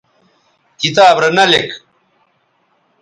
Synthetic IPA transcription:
kit̪aːbɾɐnɐlek

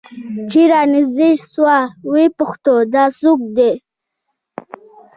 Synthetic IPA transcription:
t͡ʃiɾɑnizd̪iʃswɑwepʊxt̪od̪ɑsuk̚d̪e

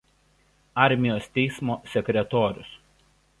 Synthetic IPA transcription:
ɑˑɾʲmʲɪjoːst̪ʲɛɪsmoːsʲɛkʲɾʲɛt̪oːɾʲʊ̰s

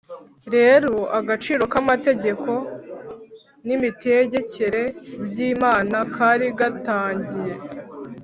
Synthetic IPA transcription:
ɾe̞ːɾo̞ʔaɡat͡ʃiːɾo̞kamate̞ɟe̞ko̞ | nimite̞ɟe̞ce̞ɾe̞bjiːmaːnakʰaːɾiɡataːɲɟije̞

